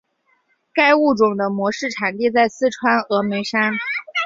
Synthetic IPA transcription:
ka˥ɪu˥˩ʈ͡ʂʊ˨˩ŋd̪ə˦mwɔ˧˥ʂɻ̩˥˩ʈ͡ʂʰa˨˩nt̪i˥˧t͡sa˥˩ɪsɹ̩˥˧ʈ͡ʂʰwa˥nɤ˧˥me˧˥ɪʂa˥n

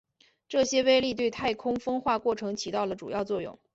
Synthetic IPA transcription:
ʈ͡ʂɤ˥˩ɕjɛ˥we˥ɪli˥˧t̪we˥˧ɪt̪ʰa˥˩ɪkʰʊ˥ŋfɤ˥ŋxwa˥˧kwɔ˥˩ʈ͡ʂʰɤ˧˥ŋt͡ɕʰi˧˥t̪ɑ˥˩ʊlə˩ʈ͡ʂṵ˨˩jɑ˥˧ʊt͡swɔ˥˧jʊ̰˥˩ŋ

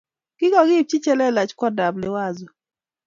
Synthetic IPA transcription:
kɪ˦ɡɔ˨ɡɪ˦˨p̚t͡ʃi˦t͡ʃɛ˦lɛ˦la˨t͡ʃkwɔ˦da˨blɪ˨wa˦˨zʊ˨

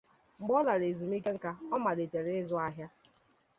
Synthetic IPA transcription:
ŋ͡m̩˨ɡ͡bɔ˦la˨ɾe˨zu˨m˦i˦ke˦ŋ̩˦ka˦ɔ˦ma˨ɾe˨te˨ɾe˦ɪ˦zʊ˦a˦ɦja˦

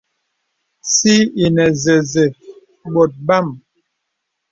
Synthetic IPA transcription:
si˦i˨nɛ˨ze˨ze˨ | ɓo˨t̚ba˦˨m

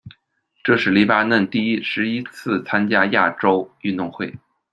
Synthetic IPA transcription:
ʈ͡ʂɤ˥˧ʂɻ̩˥˩li˧˥pa˥nə˥˧nt̪i˥˩i˥ʂɻ̩˧˥i˥t͡sʰɹ̩˥˩t͡sʰa˥nt͡ɕja˥ja˥˩ʈ͡ʂo˥ʊy˥˧nt̪ʊ˥˧ŋxwe˥˩ɪ

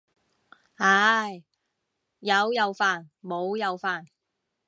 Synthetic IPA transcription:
ha˨˧˥j | jɐ˨˧wjɐ˨˧wfaː˨nmo˨˧wjɐ˨˧wfaː˨˩n

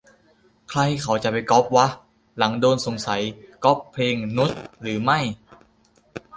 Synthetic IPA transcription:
kʰla˧jkʰa˩˦wt͡ɕa˨˩ʔpa˧jkɔ˦˥p̚wa˦˥ʔ | la˩˦ŋdoː˧nso˨˩˦ŋsa˩˦jkɔː˦˥pʰːleː˧ŋnu˦˥t̪̚ɾɯː˩˦ma˥˩j

